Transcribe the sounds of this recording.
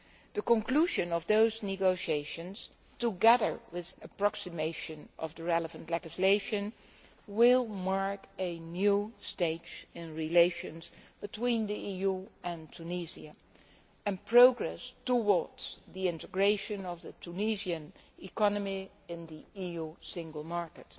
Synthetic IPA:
ð̥əkə̃nkʰl̥uʒɨ̃nʌvðoʊznɨɡoʊʃieɪʃɨ̃nz̥ | tuɡɛðə̰˞wɪðɨpɹɑksɨmeɪʃɨ̃nʔʌ̰vðəɹɛlˠəvə̃ntˡlɛd͡ʒɨsleɪʃɨ̃n | wɪlˠmɑɹkɨnjusteɪd͡ʒɪ̃nɹileɪʃɨ̃nz̥b̥ɨtʰwĩnðiijuɨ̃ntʰuniziɨ | ɨ̃npʰɹoʊɡɹɛstəwɔɹdz̥ðiɪ̃ntəɡɹeɪʃɨ̃nʌvðɨtʰuniziɨ̃nɪkɑnəmi | ɪ̃nðiijusɪ̃ŋɡəl̩ˠmɑɹkɨt

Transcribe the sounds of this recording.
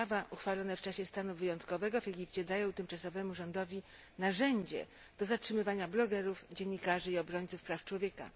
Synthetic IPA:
avaʔuxfalɔnɛft͡ʂaɕɛst̪anuvɘjɔnt̪kɔvɛɡɔvɛɡʲipt͡ɕɛd̪ajɔ̃w̃t̪ɘmt͡ʂasɔvɛmuʐɔnd̪ɔvʲi | naʐɛɲd͡ʑɛ̰ | d̪̥ɔzatʂɘmɘvaɲablɔɡɛɾufd͡ʑɛɲːikaʐɘiɔbɾɔɲt̪sufpɾaft͡ʂwɔvʲjɛka̰

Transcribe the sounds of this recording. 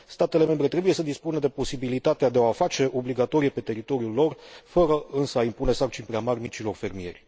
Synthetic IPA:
st̪at̪e̞le̞me̞mbɾe̞t̪ɾe̞buje̞səd̪ispunəd̪e̞po̞sibilit̪at̪ead̪eoafat͡ʃe̞ʔo̞bliɡat̪o̞ɾije̞pe̞t̪e̞ɾit̪o̞ɾiulːo̞rfəɾəɨnsəaimpune̞sart͡ʃinpɾeamarʲmit͡ʃilo̞rfe̞rmie̞̰rʲ

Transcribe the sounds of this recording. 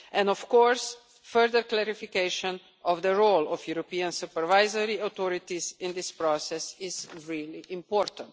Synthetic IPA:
ʔɛ̃ndɔfkɔːɾs | fəɾd̪əɾklɛɾifikeɪʃɔ̃n | ʔɔvd̪əɾolɔfjuɾɔpiãnsupəɾvaɪzəɾiat̪ɔɾɪt̪izɪ̃nd̪ɪspɾɔsɛsɪzɹiliʔɪ̃mpɔːɾt̪ə̃nt

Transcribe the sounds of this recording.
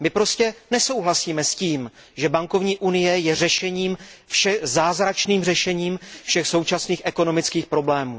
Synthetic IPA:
mɪpɾo̞scɛnɛso̞wɦlasiːmɛsciːm | ʒɛbaŋko̞vɲiːʔunɪjɛjɛrɛʃɛɲiːmfʃɛzaːzɾat͡ʃniːmrɛʃɛɲiːmfʃɛxso̞wt͡ʃasniːxʔɛko̞no̞mɪt͡skiːxpɾo̞blɛːmuː

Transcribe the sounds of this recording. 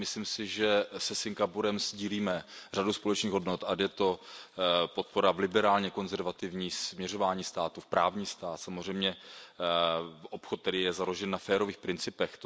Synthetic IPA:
mɪslimsɪʒɛsɛsɪŋɡapuɾɛmzɟiːliːmɛr̝aduspo̞lɛt͡ʃniːɣɦodnot̪ʔad̪jɛt̪o̞ | po̞t̪̚po̞ɾavlɪbɛɾaːlɲɛko̞nzɛɾvat̪ɪvɲiːsmɲɛro̞vaːɲiːst̪aːt̪ufpɾʔaːvɲiːst̪aːt̪samozr̝ɛjmɲɛ | opxot̪̚ːɛdɪjɛzaloʒɛnːafɛːɾo̞viːxpɾɪnt͡sɪpɛxt̪

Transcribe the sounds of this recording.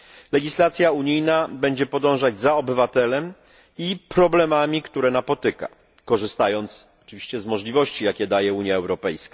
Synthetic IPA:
lɛɡʲislat̪sʲjauɲijnabɛɲd͡ʑɛpɔd̪ɔ̃w̃ʐad͡ʑzaɔbɘvat̪ɛlɛm | ipɾɔblɛmamʲikt̪uɾɛnapɔt̪ɘka̰ | kɔʐɘst̪ajɔnt̪s | ɔ̥t͡ʂɘvʲiɕt͡ɕɛzmɔʐlʲivɔɕt͡ɕijakʲɛd̪ajɛuɲjaɛwɾɔpɛjska

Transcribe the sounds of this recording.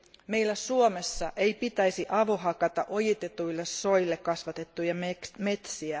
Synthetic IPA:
meilːæsuomesːɑʔe̞jpit̪æisiʔɑʋoɦɑkɑt̪ɑʔojit̪et̪uilːesːo̞ilːekkɑsʋɑt̪e̞t̪ːujɑmme̞t̪siæ

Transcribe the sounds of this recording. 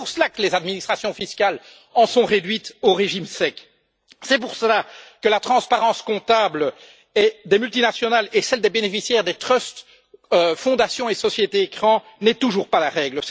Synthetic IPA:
uʁsəlakəlezad̪minist̪χasjɔ̃fiskal | ɑ̃sɔ̃ʁed̪ɥit̪oʁeʒimsɛk | sɛpuʁsəlakəlat̪χɑ̃spaʁɑ̃skɔ̃t̪abl | ɛd̪emylt̪inasjɔnalesɛld̪ebenefisjɛʁd̪et̪χœst̪ | øfɔ̃d̪asjɔ̃esɔsjet̪eːkχɑ̃ | nɛt̪uʒuːʁpalaʁɛɡləs

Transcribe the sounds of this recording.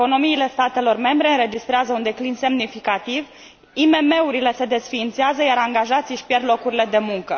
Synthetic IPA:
eko̞no̞miːle̞st̪at̪e̞lo̞rme̞mbɾe̞ɨnɾe̞d͡ʒist̪ɾeazəund̪e̞klinse̞mnifikat̪iv | ime̞me̞uɾile̞se̞d̪e̞sfiːnt̪seazəjaɾaŋɡaʒat̪siʃipje̞rd̪lo̞kuɾile̞d̪e̞muŋkə

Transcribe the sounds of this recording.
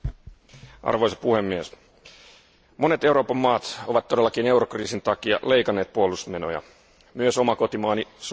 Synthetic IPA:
ʔɑ̰rʋojsɑ̥puhemːies | mo̞ne̞t̪e̞wɾo̞ːpɑmːɑːt̪o̞ʋɑt̪t̪ːo̞delːɑkiːne̞wɾokriːsint̪ɑkiɑ̰lejkɑnːe̞ːt̪̚puolusme̞no̞̰jɑ̰ | myøso̞mɑko̞t̪imɑːnis

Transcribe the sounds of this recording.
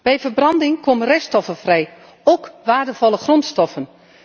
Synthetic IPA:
b̥ɛjvərbrɑndɪŋkomənrɛstɔfəvrɛj | oːkʋaːɹdəv̥ɔlˠəχrɔntstɔfən

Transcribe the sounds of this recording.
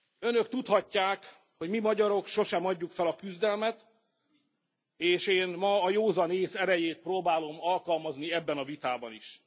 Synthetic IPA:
ø̞nø̞kt̪ut̪hɒcːaːk | ho̞ɟmimɒɟɒɾo̞kʃo̞ʃɛmɒɟːukfɛlɒkyzd̪ɛlmɛt̪ | eːʃeːnmɒːjoːzɒneːsɛɾɛjeːt̪̚proːbaːlo̞mɒlkɒlmɒzniɛbːɛnɒvit̪aːbɒniʃ

